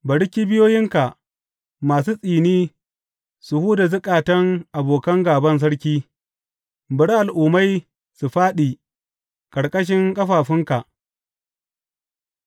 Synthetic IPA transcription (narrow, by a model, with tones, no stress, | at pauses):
bɐ˨ɽɪ˦kʲi˦bɪ˦joː˦jɪ˦ŋka˨ʔ | maː˨s̬uː˦sʼiː˨niː˦ | su˨huː˦da˨zʊ˦kʼaː˨tɐ˦ŋʔa˨boː˨kɐ˦ŋɡaː˨bɐ˦ns̬ɐ˦ɽkʲiː˦ | bɐ˨ɽʔa˨lʔuː˨ma˦j | su˨ɸaː˦ɗiː˨ | kʼɐ˨ɽkʼɐ˦ʃ̬ɪ˦ŋkʼɐ˦ɸaː˨ɸɪ˦ŋka˨ʔ